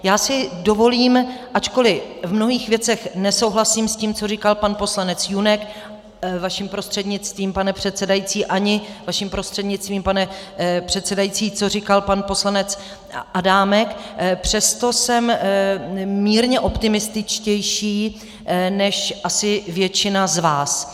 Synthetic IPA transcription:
jaːsɪdo̞vo̞liːmʔat͡ʃko̞lɪvmno̞ɦiːxvjɛt͡sɛxnɛso̞wɦlasiːmsciːmt͡so̞rikalpanpo̞slanɛt͡sjunɛk | vaʃimpɾo̞st̪r̥ɛdɲɪt͡st̪viːmpanɛpr̥ɛt̪t͡sɛdajit͡siːʔaɲɪvaʃimpɾo̞st̪r̥ɛdɲɪt͡st̪viːmpanɛpr̥ɛt̪sɛdajit͡siːt͡so̞rikalpanpo̞slanɛt͡s | ʔadaːmɛkpr̝̥ɛst̪o̞sɛm | miːɾɲɛʔo̞pt̪ɪmɪst̪ɪt͡ʃcɛjʃiː | nɛʃʔasɪvjɛt͡ʃɪnazvaːs

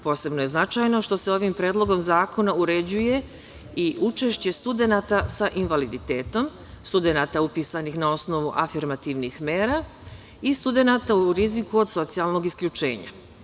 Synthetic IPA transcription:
po̞ːse̞bnoje̞znat͡ʃajno̞ʃt̪o̞se̞o̞ʋimpɾeːd̪lˠo̞ɡo̞mzaːko̞nauɾe̞d͡ʑuje̞ | iʔut͡ʃe̞ʃt͡ɕe̞st̪ud̪e̞nat̪asaʔinʋalid̪it̪e̞ːt̪o̞m | st̪ud̪e̞naːt̪aupiːsanixnao̞sno̞ʋuʔafiɾmat̪iʋnixme̞ːɾa | ist̪ud̪e̞nat̪auɾizikuo̞d̪so̞t̪sijalˠno̞ɡiskʎut͡ʃe̞̰ːɲa̰

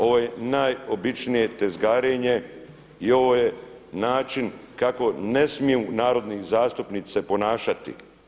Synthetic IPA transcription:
o̞ʋoje̞najobit͡ʃnije̞t̪ezɡaːɾeɲe̞ | io̞ʋo̞ːje | naːt͡ʃinkako̞ne̞smijunaːɾo̞d̪nizaːst̪upnit̪sepo̞naːʃat̪ḭ

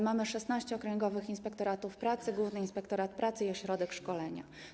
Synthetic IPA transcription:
mamɘʂɛsnaɕt͡ɕɛɔkɾɛŋɡɔvɘxinspɛkt̪ɔɾat̪ufpɾat̪sɘɡwuvnɘinspɛkt̪ɔɾat̪̚pɾat̪sɘiɔɕɾɔd̪ɛkʂkɔlɛɲa̰

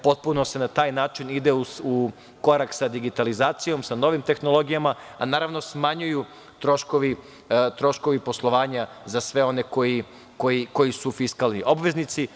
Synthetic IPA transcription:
po̞t̪̚punose̞nat̪aːjnaːt͡ʃinid̪euu | ko̞ɾaksad̪iɡit̪alizaːt̪sijo̞msano̞ʋimt̪e̞xno̞lˠo̞ɡijama | a̰naːɾaʋno̞smaɲuju | t̪ɾo̞ʃkoʋi | t̪ɾo̞ʃko̞ʋipo̞slˠoʋaːɲa | zasʋe̞o̞ne̞ko̞ji | kojiko̞jisufiskalˠnḭʔobʋe̞znit̪si

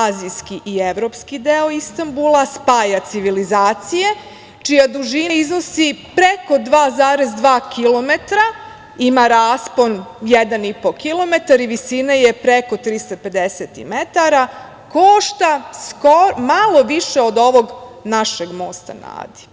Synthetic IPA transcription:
azijskiʔieʋɾo̞ːpskid̪eoist̪ambulˠaspaːjat̪siʋilizaːt̪sije̞ | t͡ʃijad̪uʒiizno̞sipɾeko̞d̪ʋaːzaːɾezd̪ʋaːkilo̞me̞t̪ɾa | imaɾaːspo̞njed̪anipo̞kilˠo̞met̪aɾiʋisinaje̞pɾeko̞t̪ɾist̪ape̞d̪eset̪ḭmet̪aɾa | koʃt̪askoɾmalˠo̞ʋiʃeod̪o̞ʋo̞ɡnaʃeɡmo̞ːst̪a̰na̰ːd̪i̥

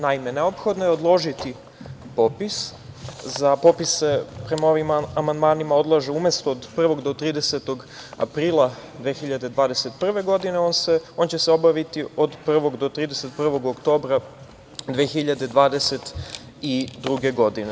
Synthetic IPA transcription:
naime̞neopxo̞d̪nojeo̞d̪lˠo̞ʒit̪i | po̞piszapo̞ːpissepɾe̞mao̞ʋimamand̪maːnimao̞d̪lˠaʒeume̞st̪ood̪pr̩ʋo̞ɡd̪o̞t̪ɾiːd̪eset̪o̞ɡ | a̰pɾiːlˠad̪ʋeːxiʎad̪e̞d̪ʋaːd̪e̞se̞t̪pr̩ʋe̞ɡo̞d̪ineonseo̞ːnt͡ɕe̞seo̞baʋit̪iod̪pr̩ʋo̞ɡd̪o̞t̪ɾiːd̪eset̪pr̩ʋo̞ɡokt̪o̞ːbɾa | d̪ʋexiʎad̪e̞d̪ʋaːd̪ese̞t̪ | id̪ɾuɡe̞ɡo̞d̪ine

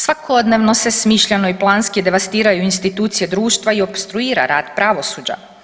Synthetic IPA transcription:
sʋakʰod̪ne̞ʋnose̞smiːʃʎeno̞iplˠaːnskid̪e̞ʋast̪iːɾajuinst̪it̪uːt̪sije̞d̪ɾuːʃt̪ʋaio̞bst̪ɾuiːɾa̰ɾaːd̪̥pɾaʋo̞suːd͡ʑa̰

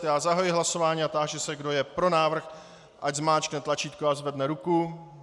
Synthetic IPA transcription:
jaːzaɦajɪɦlaso̞vaːɲiːat̪aːʒɛsɛɡdo̞jɛpɾo̞naːvr̩x | ʔaɟzmaːt͡ʃknɛt̪lat͡ʃiːt̪koazvɛdnɛɾuku

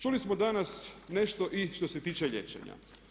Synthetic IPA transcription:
t͡ʃulismod̪anasne̞ʃt̪oʔiʃt̪o̞set̪iːt͡ʃeʎḛt͡ʃḛɲa̰

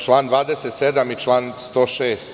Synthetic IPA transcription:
t͡ʃlˠaːnd̪ʋaːd̪eset̪sed̪amit͡ʃlaːnst̪oːʃeːst̪

